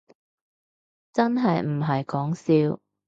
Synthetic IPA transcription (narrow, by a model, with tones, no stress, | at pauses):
t͡sɐ˥nɦɐ˨jm̩˨˩ɦɐ˨jkɔː˨˥ŋsiː˧w